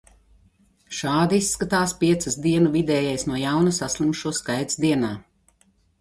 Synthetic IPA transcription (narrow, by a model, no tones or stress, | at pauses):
ʃaːd̪iisːkat̪aːspiɛt̪sɨzd̪iɛnuvid̪ɛːjɛjsnuɔjawnɐsaslˠumʃuɔskajd̪zd̪iɛnaː